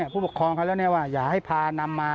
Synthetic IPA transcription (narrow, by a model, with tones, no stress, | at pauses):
i˥˩pʰuː˥˩pu˨˩kʰɾɔː˧ŋkʰa˥˩lɛ˦˥˩wni˥˩˨waː˥˩jaː˨˩k̚ha˥˩jpʰaː˧na˧mːaː˧